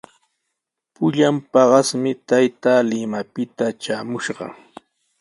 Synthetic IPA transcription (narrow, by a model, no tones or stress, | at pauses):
pʊʎampɑɢɑsmɪt̪ajt̪aːlɪmapɪt̪at͡ʃaːmʊʃɢɑ̰